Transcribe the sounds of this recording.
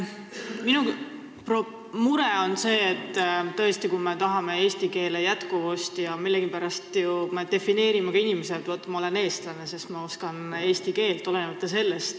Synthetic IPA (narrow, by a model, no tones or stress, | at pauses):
minu | pro | muɾe̞o̞nse̞ːt̪ːt̪ːɤ̞est̪ikume̞t̪ɑɦɑme̞e̞ːst̪ike̞ːlejæt̪kuvust̪jɑmilːeɡ̥ipæɾɑst̪jume̞d̪e̞fine̞ːɾimekɑinimes̬ed̪vot̪ːmɑo̞le̞ne̞ːst̪lɑnesest̪mɑo̞skɑne̞ːsʲt̪ike̞ːlt̪ːˑo̞lenemɑt̪ːˑɑse̞lːest̪